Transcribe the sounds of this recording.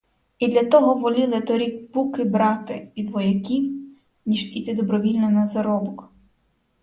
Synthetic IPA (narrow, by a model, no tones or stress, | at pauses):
id̪lʲɐt̪ɔɦɔʋɔlʲilˠɪt̪ɔɾʲikpukɪbɾɑt̪ɪʋʲid̪ʋɔjɐkʲiw | nʲiʒit̪ɪd̪ɔbɾɔʋʲilʲnɔnɐzɐɾɔbɔk